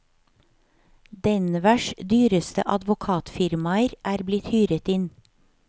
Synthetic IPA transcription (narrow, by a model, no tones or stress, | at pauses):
d̪ɛnʋæʃd̪yːɾəst̪ə̰ʔɑd̪ʋʊkʰɑːt̪fɪɾmɑəɾʔæːɾblɪt̪hyːɾət̪ɪn